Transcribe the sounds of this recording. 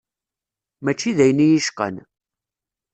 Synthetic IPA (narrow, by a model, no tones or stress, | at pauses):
mæt͡ʃːiðæjənijiʃqə̰n